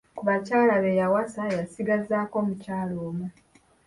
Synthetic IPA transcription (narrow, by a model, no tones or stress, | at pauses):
kuβacaːlaβe̞jawasaejasiɡazaːko̞ːmucaːlo̞ːmu